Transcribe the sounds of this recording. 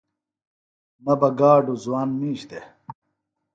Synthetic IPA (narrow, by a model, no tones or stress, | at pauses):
nɐbɐɡaːɖuzuwaːnːiːɕt̪e